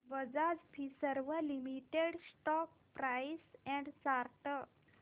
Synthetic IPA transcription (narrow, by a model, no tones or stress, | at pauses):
ʋəd͡zad͡zpʰisəɾʋəlimiʈeɽsʈɔk̚ | pɾajsɛ̃ɳɖsaɾʈə